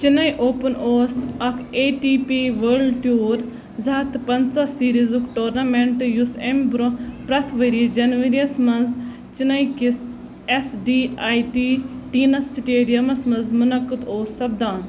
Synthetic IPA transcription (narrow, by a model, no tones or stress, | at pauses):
t͡ʃinɐjʔoːpɐnoːɾsɐkʰeːʈiːpiːʋɐɾɖʈjoːɾ | zɐːt̪pɐnt͡sasiːɾizukʈoːɾnameɳʈjusembɾopɾɐt̪ʰʋɐɾid͡ʒɐnʋɐɾiɐsmɐnz | t͡ʃinɐjkis | esɖiːaːjʈiːʈiːnɐsiʈeːɾijɐmɐsmɐnzmunɐkːɨd̪oːsːɐbd̪aːn